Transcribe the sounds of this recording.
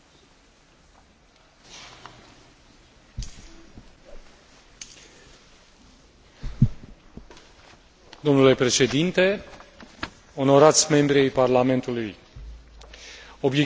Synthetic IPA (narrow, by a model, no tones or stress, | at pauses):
d̪o̞mnule̞pɾe̞ʃe̞d̪int̪e̞ | o̞no̞ɾat̪sʲme̞mbɾiejparlame̞nt̪uluj | o̞bje